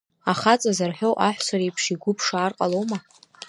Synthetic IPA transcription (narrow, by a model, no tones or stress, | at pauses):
aχat͡sʼazarħʷᶣowʔaħʷsaɾejpʰʂiɡʷʊpʰʂaːrqʼalowma